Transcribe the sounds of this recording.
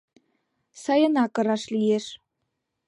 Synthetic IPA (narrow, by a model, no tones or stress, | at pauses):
sɑjɤ̆nɑkɤ̆ɾɑʃlijeʃ